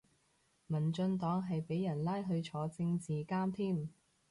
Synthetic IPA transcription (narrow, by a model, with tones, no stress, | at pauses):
mɐ˨˩nt͡ʃɵ˧nt̪ɔː˨˥ŋɦɐ˨jpe˨˥jɐ˨˩nlaː˥jɦɵ˧ɥt͡ʃʰɔː˨˥t͡sɪ˧ŋt͡siː˨kaː˥mt̪ʰiː˥˩m